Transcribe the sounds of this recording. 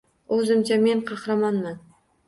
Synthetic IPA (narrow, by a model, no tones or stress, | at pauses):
ɵzɪmt͡ʃʰame̞nqʰɑχɾamɒnman